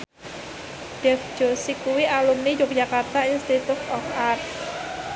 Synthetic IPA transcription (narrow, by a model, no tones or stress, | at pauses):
d̥ɛfd͡ʒ̥osikuwiʔalumnid͡ʒok̚d͡ʒakart̪ainst̪it̪ut̪ɔfar